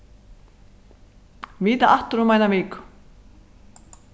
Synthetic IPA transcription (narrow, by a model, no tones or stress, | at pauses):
viːt̪aʔaht̪ʏɾumajnaviːk